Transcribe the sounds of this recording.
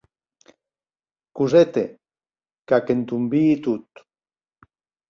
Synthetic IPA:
kuzet̪e | kakent̪umbiːt̪ut̪

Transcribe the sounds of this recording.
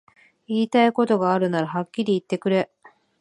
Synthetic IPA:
iːt̪aiko̞t̪o̞ɡaːɾɯ̟naɾaɦakʲːiɾʲiːt̪ːe̞kɯ̟ɾe̞

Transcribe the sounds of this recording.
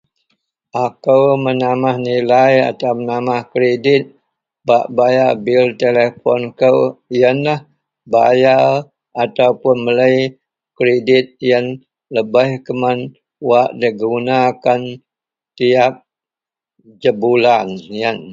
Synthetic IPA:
ʔakəwmənamahnilaja̰t̪awmənamahkɾedɪt̪̚ | baʔbajabɪlt̪elefɔ̰nkəwijənlah | baja | at̪awpʊnmələj | kɾedɪt̪̚jən | ləbəhkəman | waʔdəɡunakan | t̪iap̚ | d͡ʒəbulanjən

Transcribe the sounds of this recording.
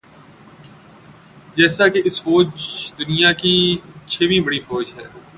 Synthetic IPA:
d͡ʒɛːsakeɪsfoːd͡ʒd̪ʊnɪjãːkit͡ʃʰeːʋĩːbəɽiːfoːd͡ʒɦɛ̰ː

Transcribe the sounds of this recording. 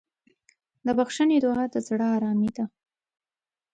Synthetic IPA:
d̪əbaxʃaned̪ʊad̪əzɽaːɾɑmid̪a

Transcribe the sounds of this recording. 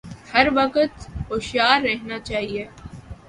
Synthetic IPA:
hɐɾʋɐkət̪ʊʃjaːɾːɛɦnat͡ʃaːɦieː

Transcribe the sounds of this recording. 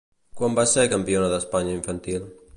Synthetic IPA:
kwambaseɾkəmpionəðəspaɲəiɱfənt̪ilˠ

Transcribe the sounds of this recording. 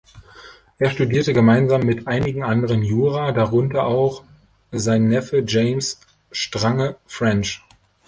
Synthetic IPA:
ʔeːɐʃtudiːɐtəɡəmaɪnzaːmːɪtʔaɪnɪɡŋ̩ʔandəʁənjuːʁaːdaʁʊntɐʔaʊx | zaɪnːɛfəd͡ʒeɪms | ʃtʁ̥aŋəfʁ̥ɛnt͡ʃ

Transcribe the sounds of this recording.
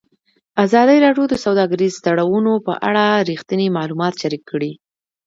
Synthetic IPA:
azɑd̪əɾɑɖjod̪əsawd̪ɑɡaɾizd̪aɽawunopə̰ʔa̰ɽaɾixt̪ənimɑlumɑt̪ʃaɾikːəɽi

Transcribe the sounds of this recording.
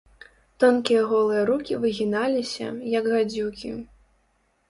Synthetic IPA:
t̪ɔnkʲijɐɣɔlˠɨjɐɾukʲivɨɣʲinalʲisʲɐ̰jɐɡɣad͡zʲukʲḭ

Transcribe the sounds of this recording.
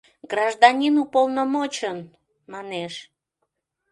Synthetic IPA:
ɡrɑʒd̪ɑnʲinupolnəmot͡ɕən | mɑneʃ

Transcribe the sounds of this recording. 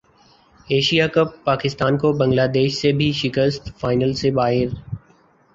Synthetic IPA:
eːʃijakɐpːaːkɪst̪aːnkobɐ̃ŋɡlaːd̪eːʃsebʱiʃɪkəst̪faːɪnəlsebaːɦɪɾ

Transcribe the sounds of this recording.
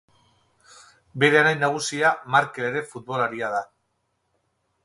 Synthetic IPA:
be̞ɾe̞anajnaɣ̞usiamaɾkeleɾe̞fut̪̚bo̞laɾiaða

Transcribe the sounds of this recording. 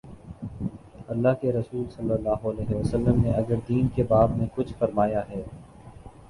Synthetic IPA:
ɐlːaːɦkeɾɐsuːlsɐlːəlːaːɦoɐlɛːɦeʋəsəlːəmneɐɡəɾd̪iːnkebaːbnẽkʊt͡ʃʰfɐɾmaːjaɦɛː

